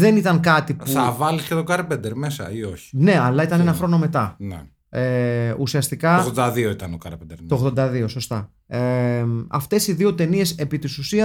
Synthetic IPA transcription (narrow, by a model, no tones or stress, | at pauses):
ðe̞nit̪ɐŋkɐt̪ipuθɐvɐliscet̪o̞kɐɾpend̪eɾmesɐ̰ioçi̥ne̞ɐlɐit̪ɐne̞nɐxɾo̞no̞me̞t̪ɐne | eusiɐst̪ikɐɣðod̪ɐðio̞it̪ɐnokɐɾpend̪eɾt̪oɣðo̞nd̪ɐðio̞so̞st̪ɐ | eɐft̪e̞siðio̞t̪e̞nie̞se̞pit̪isusiɐ